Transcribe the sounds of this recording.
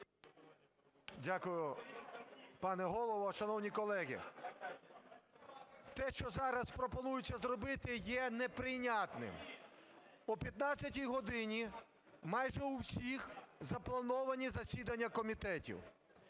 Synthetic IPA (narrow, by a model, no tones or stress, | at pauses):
dʲakʊjʊ | pɑnɛɦɔlˠɔʋɔʃɐnɔwnʲikɔlˠɛɦʲḭ | t̪ɛʃt͡ʃɔzɑɾɐspɾɔpɔnujʊt͡sʲːɐzɾɔbɪt̪ɪjɛnɛpɾɪjnʲat̪nɪ̰m | ʊpʲjɐt̪nɑt͡sʲːɐtʲijɦɔd̪ɪnʲi | mɑjʒɛuwsʲixzɐplˠɐnɔʋɐnʲizɐsʲid̪ɐnʲːɐkɔmʲit̪ɛtʲḭw